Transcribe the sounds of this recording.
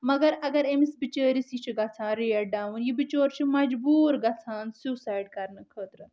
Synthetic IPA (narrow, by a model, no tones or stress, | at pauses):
mɐɡɐɾɐɡɐɾemisbit͡ʃəːɾisit͡ʃʰiɡɐt͡sʰãːnɾiɐɖaːwunjibit͡ʃoːɾt͡ʃʰimɐd͡ʒbuːɾɡɐt͡sʰaːnsuːsaːjɖkɐɾnɐkʰəːt̪ɾɨ